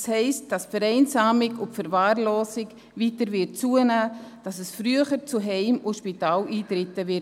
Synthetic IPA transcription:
shɛɪst̚d̥ɑsfɛɾɛɪnsaːmɪɡʊntfəɾvaːɾloːsɪk | viːtəɾvɪt̚t͡suənaːd̥ɑsəsfɾyəχəɾt͡suɦɛɪmʊʃpitaːliːtɾɪtəvɪt

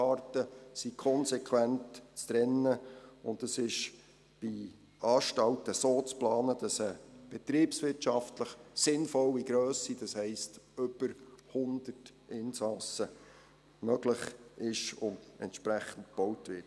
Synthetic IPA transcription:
ɑrtəsikʰɔnsɛkʰʋæntt͡stɾɛnːəʊntəsɪʃ | b̥i | ɑːʃtɑltəsoːt͡splɑːnəd̥ɑsəb̥ɛt̪ɾiːpsʋɪtʃɑftləχsɪnfɔliɡɾøːsid̥ɑshɛɪstʏb̥əɾhʊnd̥̪ərt | ʔɪnsɑsə | mœɡləχɪʃʊndɛ̰ntʃpɾæχən̩tb̥owtʋɪt

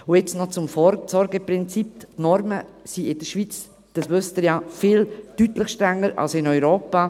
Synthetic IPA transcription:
ʊɛt͡snɔt͡sʊmfɔɾsɔɾɡəpɾɪnt͡sip̚tnɔɾməsiɪd̥əʃʋit͡s | d̥ɑsʋøst̪əɾjafɪltytlɪχʃtɾɛŋːəɾa̰lsɪnœʏɾoːpa

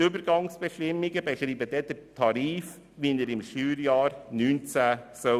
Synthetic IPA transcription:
ʏbəɾɡ̥ɑŋsb̥ɛʃtɪmːiɡəbɛʃɾiːbəd̥̪ɛd̪əɾtʰɑɾiːf | ʋinəɾɪmʃyːɾjɑːɾnyːnt͡sæsœ

